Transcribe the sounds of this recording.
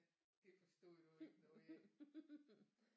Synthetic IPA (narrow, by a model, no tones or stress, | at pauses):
d̥e̝fɒsd̥ɔ̰ːd̥unu